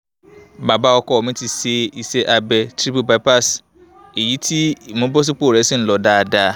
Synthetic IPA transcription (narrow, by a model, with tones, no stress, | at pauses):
ba˨ba˦ɔ˦kɔ˦ɔ˨mɪ̃˦tʰi˨se˦i˨sɛ˦ʔa˨bɛ˨tʰɾi˦pu˨ba˦pa˦s | e˨ji˦tʰi˦˨mʊ̃˦bɔ˦s̬ɪ˦k͡po˦˨ɾɛ˨˦sɪ̃˦n̩˨lɔ˨daː˦˨daː˦